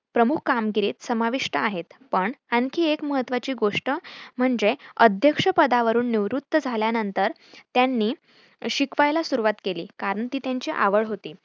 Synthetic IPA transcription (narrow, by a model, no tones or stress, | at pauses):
pɾəmukʰkamɡiɾiːt̪səmaʋiʂʈəaɦet̪pəɳankʰiːekməɦət̪ːʋat͡ɕiːɡoʂʈəm̤əɳd͡zeəd̪ʱjəkʂəpəd̪aʋəɾuːnːiʋɾut̪ːəd͡zʱaljanənt̪əɾ | t̪janːiː | ɕikʋajlasuɾuʋat̪kelḭːkaɾəɳt̪iːt̪jaɲt͡ɕiːʔa̰ʋəɭɦot̪iː